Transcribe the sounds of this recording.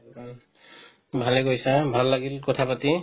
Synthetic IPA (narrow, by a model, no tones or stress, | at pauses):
bʱaleɡojsãbʱalːaɡilkɔt̪ʰapʌt̪i